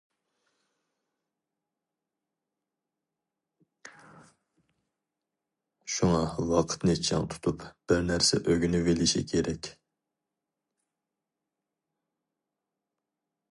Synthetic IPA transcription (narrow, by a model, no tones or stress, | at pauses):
ʃuŋɑwɑqʰə̥t̪nɨt͡ʃʰɑ̰ŋt̪ʰu̥t̪ʰupb̥ɪɾnæɾsɛ̰ʔøɡʲynɪvelɪʃḭkʲʰeɾɛkʲ